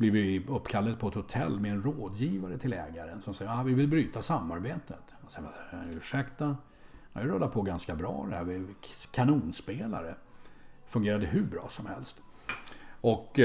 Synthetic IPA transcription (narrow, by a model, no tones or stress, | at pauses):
blɪvɪɵpːkʰalːad̪̚pʰɔɛt̪hʊt̪ʰɛ̰lːmɛɛnɾoːd̪jiːvaɾət̪ʰɪlɛ̰ːɡaɾənsɔmsɛjːavɪvɪlbɾyːt̪asamːaɾbeːt̪ət̪ | sɛa̰ʉ̟ːʂɛkt̪a | ha̰ɪɾœd̪ːapʰɔɡanskabɾɑ̰ːd̪ɛhæ̰ːɾvɪkʰanuːnspeːla̰ɾə | fɵŋɡeːɾad̪əɦʉ̟bɾɑ̰ːsɔmhɛlst̪ | ʔɔk